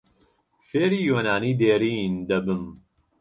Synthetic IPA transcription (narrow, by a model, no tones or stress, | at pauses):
feːɾiːjoːnaːniːd̪eːɾiːnd̪ɐbɨm